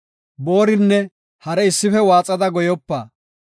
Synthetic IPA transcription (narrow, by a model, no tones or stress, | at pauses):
bo̞ːɾɪnːɛ | hɐɾɛɪsːɪfɛwaːt͡sʼɐd̪ɐɡɔjɔpːɐː